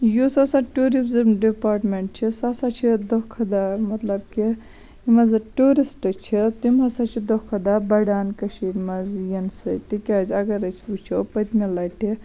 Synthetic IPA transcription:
jusasaʈuɾizmɖipaːɾʈmeɳʈ̚t͡ʃʰisasat͡ʃʰid̪okʰɐd̪amɐt̪lɐbki | imɐzʈuɾisʈt͡ʃʰit̪imɐsat͡ʃʰid̪okʰɐd̪abɐɖaːnkɐʃiɾmɐzjɐnsɨt̪ikʲazʲɐɡɐɾɐsʰput͡ʃʰopɐt̪melaʈʰi

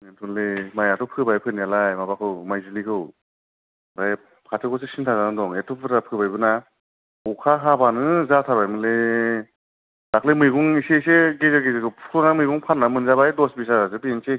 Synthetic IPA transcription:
nentʰɔnlemajatʰɔpʰɯbajpʰɯnijalajmabakʰɯwmajzunikʰɯw | baj | pʰatʰɯkɔs̬esintʰazanadɔŋetʰɔpʰɯɾapʰɯbajbɯna | ukʰaɦabanɯzatʰaɾbajmɯle | daklemɯjɡuŋiseseɡezaɾɡezekʰɯwpʰu̥ɔnamɯjɡuŋpʰanːamɯnzabajdɔsbis̬aɾasɯpiense

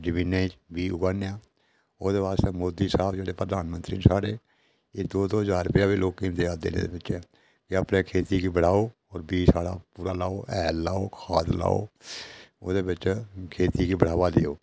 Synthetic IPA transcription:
d͡ʒɪʋineːd͡ʒbiːʊɡaːnjaː | oːd̪eːʋaːst̪eːmoːd̪iːsaːbd͡ʒeːɽeːpɾəd̪aːnmə̃nt̪ɾḭːnsaːɽeː | eːd̪oːd̪oːɦəzaːɾəpɪjaːbiːloːkind̪ejaːd̪ḛːnḛːd̪ḛːbɪt͡ʃɛ | d͡ʒəpɽẽːkʰeːt̪iːɡiːbəɽ̤aːoː | ɔːɾbiːsaːɽa̰ːpuːɾaːlaːoːʔɛːlːaːoːkʰaːt̪la̰ːo̰ː | oːd̪eːbɪt͡ʃkʰeːt̪iːɡiːbəɽ̤aːʋaːd̪eoː

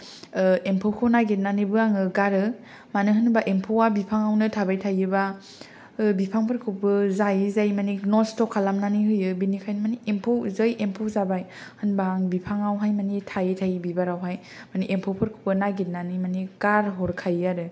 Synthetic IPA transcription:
empʰowkʰɯnaɡet̚nanibɯaŋɯɡaɾɯ | manɯɦɯnbaʔempʰowabipʰaŋawnɯtʰabajtʰajɯba | bipʰaŋpʰɯɾkʰubɯzajɯzajmaniknɔstɔkʰːalamnaniɦɯjɯbinikʰajnmaniempʰowzɯjʔempʰozabaj | hɯnbaŋbipʰaŋawɦajmanitʰajɯtʰajbibaɾawɦaj | maniʔempʰɔwpʰɯɾkʰɯ̥pɯnaɡet̚nanimaniɡaɾɦɔɾkʰajaɾɯ

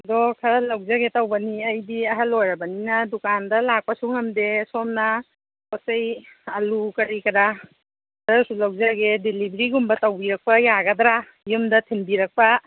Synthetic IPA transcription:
ɐdɔkʰɐɾɐlɐwzaɡetɐwbɐniɐjdiɐɦɐlojɾɐbɐninɐdukandɐlak̚pɐsuŋɐmdesɔmnɐ | kɔsɐjɐlukɐɾikɐɾa | dasulɐwzaɡedilibɾiɡumbɐtɐwbiɾɐk̚pɐjaɡɐdɾa | jumdɐtʰinbiɾɐk̚pɐ

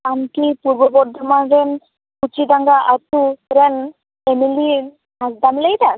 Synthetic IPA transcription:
antipuɾbɔbɔɾd̪ʱɔmaɾɛn | kut͡ʃid̪aŋɡaʔat̪uɾɛn | emili | ɦasd̪amlejd̪a

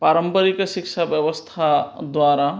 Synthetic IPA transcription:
paːɾəmpəɾikʃɪkʃabjɐʋəst̪ʰad̪waːɾa

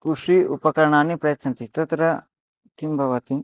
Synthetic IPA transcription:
kuʂiʔupɐkɐɾɐɳaːnːipɾɐjɐt͡ʃʰɐnt̪it̪ɐt̪ɾɐ | t̪ʰimbʱɐʋɐt̪i

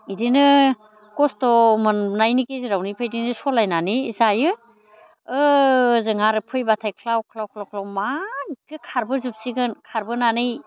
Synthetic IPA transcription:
idinɯ | kɔstɔmɯnnajnikeziɾawnipʰɯjdinɯsɔlajnanizajɯ | ɯzɯŋaɾɯpʰɯjbatʰajkʰlawkʰlawkʰlawkʰlawmanikɯkʰaɾbɯzup̚siɡɯnkʰaɾbɯnanɯj

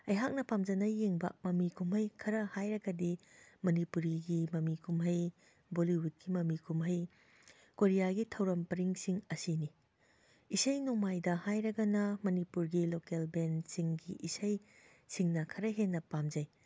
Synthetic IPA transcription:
ɐjɦak̚nɐpamd͡ʒɐnɐjeŋbɐ̰mɐmikumɦɐjkʰɐɾɐhajɾɐɡɐdimɐnipuɾiɡimɐmikʰumɦɐj | boliwud̚ɡimɐmikʰumɦɐj | koɾijaɡitʰɐwɾɐmpɐɾiŋsiŋɐsini | isɐjnumajdɐhajɾɐɡɐnɐmɐnipuɾɡilokelbensiŋɡiʔisɐj | siŋnɐkʰɐɾɐɦenːɐpamd͡ʒɐj

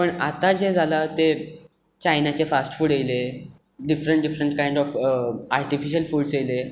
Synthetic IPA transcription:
pəɳat̪ad͡ʑed͡zʱalat̪e | t͡ɕajnat͡ɕefasʈfuːɽjejle | ɖifɾəɳʈ̚ɖifɾəɳʈkajɳɖɔfaɾʈifiɕ̬əlfuːɽsele

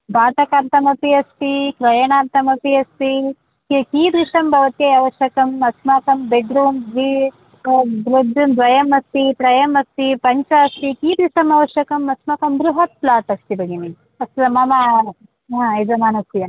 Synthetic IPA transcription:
baːt̪ɐkaːɾt̪ɐmɐpiɐst̪ikɾɐjɐɳaːɾt̪ɐmɐpiɐst̪i | kikiːd̪ɾiʂɐmbʱɐʋɐt̪jɐjɐʋɐʃjɐkɐmɐsmaːkɐmbeɖɾuːmd̪ʋi | b̪ɾud̪ɾuːnd̪ʋɐjɐmɐst̪ipɾɐjɐmɐst̪ipɐɲt͡ʃɐɐst̪ikiːd̪ɾiʂɐmɐʋɐʃjɐkɐmɐsmaːkɐmbɾuɦɐt̪̚plaːt̪ɐkst̪ibʱɐɡini | ɐsɐmɐma | ɦãːezɐmaːnɐst̪ijɐn

